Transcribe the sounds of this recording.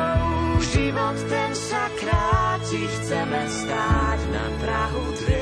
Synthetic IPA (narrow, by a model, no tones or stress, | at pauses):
ʒimɔt̪t̪ɛnʃakɾaːcixt͡sɛmɛst̪aːcna̰p̪ɾaɦut̪ɾɛ